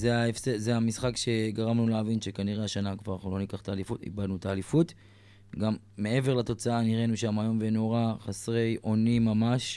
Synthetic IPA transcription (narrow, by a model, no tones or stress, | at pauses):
zeaefsezeamisχakʃe̞ɡaʁamnuleavinʃe̞kaniʁeaʃanakvaʁulo̞nikaχt̪aːlifutḭbad̪nutaːlifut | ɡamːe̞e̞ve̞ʁlat̪o̞t͡saaniʁe̞nuʃamajo̞mveno̞ʁaχasʁe̞jʔo̞nimamaʃ